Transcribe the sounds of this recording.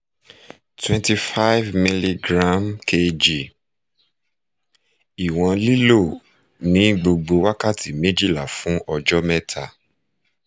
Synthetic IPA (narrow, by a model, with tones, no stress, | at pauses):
twɛ̃˦nti˨˧fa˦jvmi˧li˧ɡɾã˦mkʰe˧d͡ʒi˨ | i˨w̃ɔ̃˧li˦lo˦˨ | nĩ˨˦ɡ͡bo˧ɡ͡bo˧wa˦ka˦˨ti˨me˦d͡ʒi˦˨la˨fũ˨˦ɔ˧d͡ʒɔ˦mɛ˦tʰa˦˨